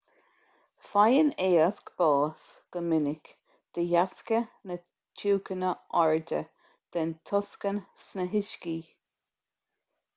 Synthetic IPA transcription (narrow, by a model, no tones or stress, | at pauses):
fajəneːəskb̥ɑːsɡ̥əmɪnɪk | d̪̥əjaskənə | t͡ʃʰuːkənəɔɹdə̰ | d̪̥ɛnt̪ʰɔskənsnəɦɪʃkiː